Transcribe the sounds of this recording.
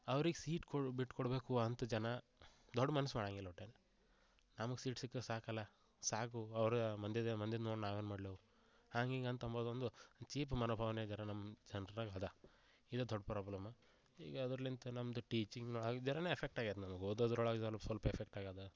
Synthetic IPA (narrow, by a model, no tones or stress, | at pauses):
ɐʋɐɾiɡesiːʈkobiʈːkoɽbe̞ːkuɐnt̪ɐd͡ʒɐnɐ | d̪ɔɖːmɐnɐsmaːɽaːŋɡilːɐʈːeːn | nɐmɐɡesiːʈsikːesaːkɐlːɐ | saːkuɐʋɐɾmɐnd̪id̪emɐnd̪id̪noːɽnaːʋeːnmaːɽloːʋ | haːŋɡiːŋɡɐnt̪ɐmboːd̪ond̪ut͡ʃiːp̬mɐnoːbʱaːʋɐned͡ʒɐnɐnɐmːd͡ʒɐnɐɾɐɡad̪ɐ | id̪ɐd̪ɔɖːpɾaːblɐma | hḭːɡɐːd̪ɾɐlint̪unɐmɐd̪uʈiːt͡ʃiŋɡnoɭaːɡd͡ʒɐnɐneːpʰek̚ʈaːɡat̪nɐmɐɡoːd̪od̪ɾɔɭaɡd͡ʒɐlpsɐlpɐepʰek̚ʈaːɡaːd̪ɐ